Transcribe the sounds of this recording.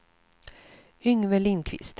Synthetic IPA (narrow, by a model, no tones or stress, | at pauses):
ʏŋvɛlɪnkʰvɪ̰st̪